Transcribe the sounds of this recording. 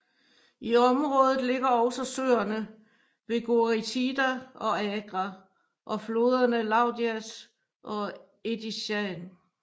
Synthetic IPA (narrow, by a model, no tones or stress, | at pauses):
iɒ̽mʁɔ̽ːð̞ˠð̩ˠle̝ɡ̥ɐɒ̽ʊsɒ̽sø̰ːɐnə | ʋe̝ɡ̥oʁit͡sʰid̥æɒ̽ɛɡ̥ʁɑ | ʔɒ̽flo̝ːð̞ˠɐnəlɑ̈ʊd̥iæs | ʔɒ̽ | ed̥iɕæn